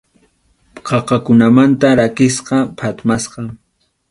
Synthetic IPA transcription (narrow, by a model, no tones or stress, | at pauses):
qʰɑqɑkʊnamant̪aɾakɪsqɑpʰat̪masqɑŋ